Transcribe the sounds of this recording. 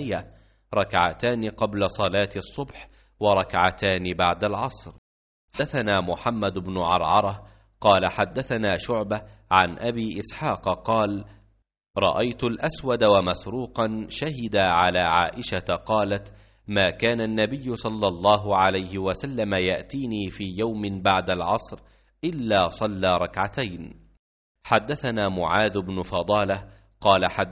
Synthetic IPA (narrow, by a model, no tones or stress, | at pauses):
ɪjːa | ɾˤɑkʕat̪aːnɪqɑblasˤɑlaːt̪sˤːʊbħ | wɑɾˤɑkʕat̪aːnɪbaʕd̪alʕɑsˤɾ | ħaθanaːmʊħamːad̪ʊbnʊʕɑ̰ɾˤʕɑɾˤɑ | qɑːlaħad̪ːaθanaːʃʊʕbaʕanʔabiːʔɪsħɑːqqɑːl | ɾˤɑ̰ʔajt̪ʊlʔaswad̪awamasɾuːqɑnʃaɦɪd̪aʕalaːʕa̰ːʔɪʃat̪qɑːlat̪ | maːkaːnanːabɪjːʊsˤɑlːɑlˤːɑːɦʊʕalajhɪwasalːamajaʔt̪iːniːfiːjawmɪbaʕd̪alʕɑsˤɾ | ʔɪlːaːsˤɑlːaːɾˤɑkʕat̪ajn | ħad̪ːaθanaːmʊʕaːd̪ʊbnʊfɑd̪ˤɑːla | qɑːlaħa